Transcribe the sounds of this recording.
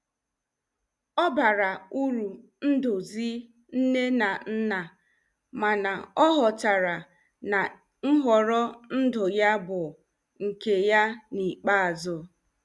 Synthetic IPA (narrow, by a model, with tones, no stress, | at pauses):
ɔ˦ba˨ɾa˨u˦ɾu˨ | n̩˦dʊ˨zi˦ | n̩˦ne˦na˨n̩˦na˨ | ma˨na˨ɔ˦ɦɔ˨ta˨ɾa˨ | na˨ | ŋ̩˦ɦɔ˨ɾɔ˦n̩˦dʊ˨ja˦bʊ˨ | ŋ̩˨ke˨ja˦ni˨k͡pa˦a˨zʊ˨